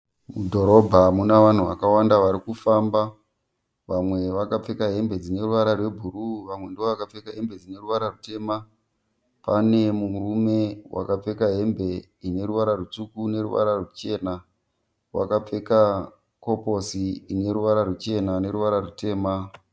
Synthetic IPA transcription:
mudʱo̞ɾo̞bʱamunaʋan̤uʋa̰kawandaʋaɾikufamba | ʋamwe̞ʋakap͡fe̞kaɦe̞mbe̞d͡zine̞ruʋaɾarwe̞bʱuruʋamwe̞ndioʋakap͡fe̞kaɦe̞mbe̞d͡zine̞ruʋaɾarute̞ma | panemurume̞wa̰kap͡fe̞kaɦe̞mbe̞ | ine̞ɾuʋaɾarut͡sukune̞ɾuʋa̰ɾarwet͡ʃe̞ːna | wa̰kap͡fe̞ka | ko̞po̞siine̞ɾuʋaɾarwet͡ʃe̞nane̞ɾuʋaɾarute̞ːma

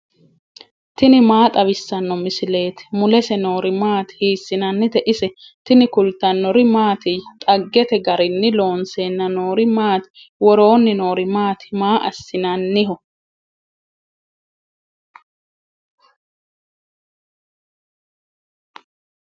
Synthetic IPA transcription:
t̪ɪnɪmaːt̪ʼɐβɪsːɐnːɔmɪsɪle̞ːt̪ɪ̥mʊlɛsɛno̞ːɾɪmaːt̪hiːsːɪnɐnːɪt̪ɛʔɪsɛ | t̪ɪnɪkʊlt̪ːɐnːɔɾɪmaːt̪ɪjt̪ʼɐɡːɛt̪ɛɡɐɾɪnːɪlo̞ːnseːnːɐno̞ːɾɪmaːt̪ɪ̥ | wɔɾo̞ːnːɪno̞ːɾɪmaːt̪ɪ̥maːʔɐ̰sːɪnɐnːɪɦɔ

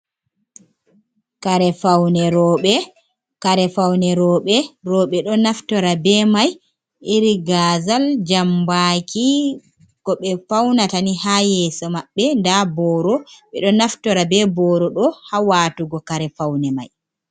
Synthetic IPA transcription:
kaɾɛfawnɛɾɔɓɛ | kaɾɛfawnɛɾɔːɓɛɾɔɓɛɗɔnaftɔɾabɛmaj | ʔiɾiɡazald͡ʒambakʰi | kɔɓɛfawnatanihajɛːsɔmaɓːɛndabɔɾɔɓɛɗɔnaftɔɾabɛbɔːɾɔɗɔhawaːtuɡɔkaɾɛfawnɛma̰j

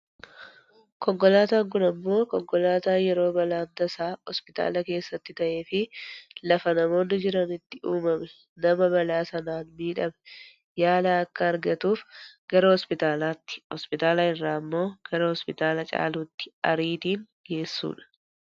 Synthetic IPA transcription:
kɔŋkɔlaːt̪aːŋkʊnɐmːo̞ːkɔŋkɔlaːt̪aːnjɛɾo̞ːbɐlaːnt̪ɐsaːhɔspɪt̪a̰ːlɐke̞ːsːɐt̪ːɪt̪ɐʔe̞ːfɪlɐfɐnɐmo̞ːnːɪd͡ʒɪɾɐnɪt̪ːɪuːmɐmɛ | nɐmɐbɐlaːsɐnaːnmiːᶑɐmɛ̥ | jaːlaːɐkːɐːɾɡɐt̪uːfɡ̥ɐɾɐhɔspɪt̪aːlaːt̪ːɪ̥hɔspɪt̪aːlaːɪrːaːɐmːo̞ːɡ̥ɐɾɐhɔspɪt̪aːlɐt͡ʃʼa̰ːluːt̪ːɪ̥ɐɾiːt̪iːŋ | ɡe̞ːsːṵːᶑɐ̥

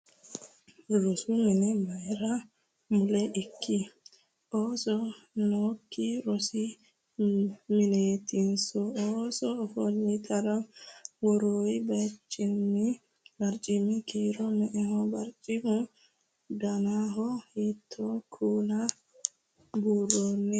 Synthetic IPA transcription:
ɾɔsuminɛmajɾa | mʊlɛʔɪkːi | oːsɔnoːkːiɾɔsi | mɪneːt̪insɔosɔːfɔlːit̪ʰʼɐɾawɔɾoːibɐt͡ʃʼːɪnːi | bɐɾt͡ʃʼɪmɪkiːɾɔmɛʔɛhɔbɐɾt͡ʃʼɪmʊ | d̪ɐnaɦɔhit̪ʰːɔkʰuːna | buːɾonːɛ

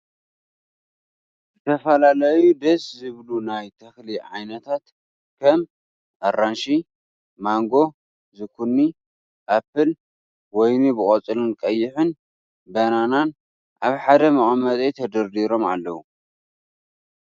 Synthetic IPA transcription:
zɨt̪ʰɐfɐlalɐjud̪ɐszɨβlunajt̪ʰɐxliʕa̰jnɐt̪ʰat̪ | kʰɐm | ʔɐranʃi | maŋɡo̞ | zɨkʰunːi | ʔapːɨl | wɔjnubɨkʼɐt͡sʼɨlɨnkʼɐjːɪħɨn | bɐnanan | ʔaβħad̪ɐmɐχʼmɐzʼejt̪ʰɐd̪ɐɾd̪iɾo̞ma̰lːɐwu

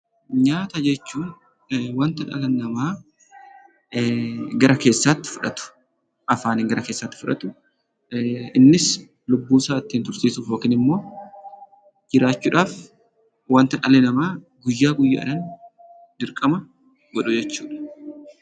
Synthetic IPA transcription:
ɲaːt̪ɐd͡ʒɛt͡ʃːuːn | waːnt̪ɐᶑɐ̰lɐnːɐmaː | ɡɐɾʔɐke̞ːsːaːt̪ːɪ̥fʊᶑɐt̪ʊ̥ | ʔɐfaːnɪŋɡɐɾʔɐke̞ːsːaːt̪ːɪ̥fʊᶑɐt̪ʊ | ɪnːɪs | lʊbːuːsaːɪt̪ːiːnt̪ʊɾt̪iːsʊfoːkɪnɪmːo̞ː | d͡ʒɪɾaːt͡ʃːuːᶑaːf | waːnt̪ɐᶑɐlɐnɐmaː | ɡʊjːaːɡʊjːa̰ːɪ̰ɾɐn | d̪ɪɾkʼɐmɐ | ɡɔᶑʊd͡ʒɛt͡ʃːuːᶑɐ̥

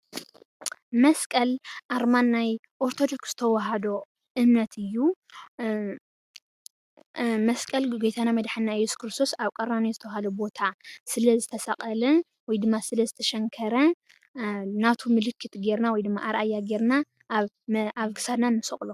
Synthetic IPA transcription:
mɐskʼɐlʔaɾmanːaj | ʔoɾt̪ʰod̪o̞kz̥ɨ̥t̪ʰɐwɐɦad̪o̞ | ʔɨmnɐt̪ʰɨjːu | mɐskʼɐlɡojt̪ʰanamɐd̪ħɨnːaɪjɛsu̥kʰɾɨst̪ʰo̞saβkʼɐɾanizɨt̪ʰɐwɦalobo̞t̪ʰasɨlɐzɨt̪ʰɐsɐqʼɐlɐ | wɔjd̪ɨmːasɨlɐzɨt̪ʰɐʃɐŋkʰɐɾɐ | nat̪ʰumɨlɨkʰːɨt̪ɡe̞ɾnawɔjd̪ɨmːa̰ʔaɾʔajːaɡe̞ɾna | aβɡɨ̥sad̪nanːɨsɐχʼlo

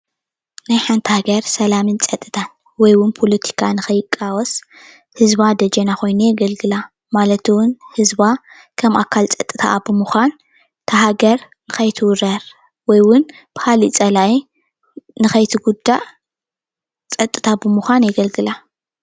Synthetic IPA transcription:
najħant̪ʰhaɡɐɾsɐlamɨnt͡sʼɐt̪ʼːɨ̥t̪ʰan | wɔjwʊnpʰolɐt̪ʰi̥kʰanɨxɐjɪkʼːawɔs | hɨzbad̪ɐd͡ʒenaxo̞jnujɛɡɐlɡɨla | malɐt̪ʰwʊnhɨzba | kʰɐmʔa̰kʰalt͡sʼɐt̪ʼːɨt̪ʰa̰bɨmuxʷan | t̪ʰɐɦaɡɐɾ | nɨxɐjt̪ʰɨwʊɾɐɾ | wɔjwʊn | b̥ɨ̥halit͡sʼɐlai | nɨxɐjt̪ʰiɡud̪ːa | t͡sʼɐt̪ʼɨt̪ʰabɨmuxʷanjɛɡɐlɡɨla

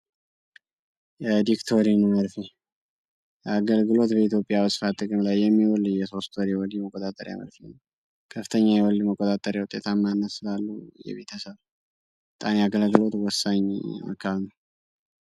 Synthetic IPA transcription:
jɛd̪ikt̪ʰo̞ɾinəməɾfi | jaɡəlɡɨlo̞t̪bəit̪jo̞pʼijaβɨsfat̪ʼɨkʼɨmlajːɛmːiwɔlɨjɛso̞st̪ʰoɾiwɔliməkʼːot̪ʼat̪ʼəɾja̰mə̰ɾfinəw | kʰəfɨ̥t̪ʰəɲːajɛwɔlməkʼot̪ʼat̪ʼəɾjawut̪ʼet̪ʰamːanːəsɨlalːujɛ̰βe̞t̪ʰəsəβ | bət̪ʼamjaɡəlɡɨlo̞t̪wɔsːaɲa̰kʰːaβnəw

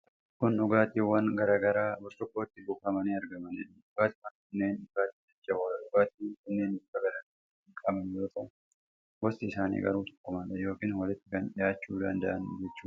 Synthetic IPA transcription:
kʊnʊɡaːt̪iːwːɐnɡɐɾaːɡɐɾaːbʊsɾʊkːo̞ːt̪ːɪbʊkɐmɐniːɐɾɡɐmɐniᶑ | ʊɡ̥aːt̪ɪkɐnkɐnːe̞ːnʊɡaːt̪ːɪd͡ʒɐt͡ʃːɐwɐʊɡaːt̪iːkɐnːeːnbʊkːɐɡɐɾaɡɐɾa | ɪkʼɐbɐnjoːt̪ɐn | ɡɔstɪɪsaːnḭːɡɐ̰ɾuːt̪ɔ̥kːʊmaᶑɐjo̞ːkiːnwɐlɪt̪ːɪkɐnᶑɪjaːt͡ʃːuːd̪ɐ̰nd̪ɐ̰ʔɐnd͡ʒɛt͡ʃːuː

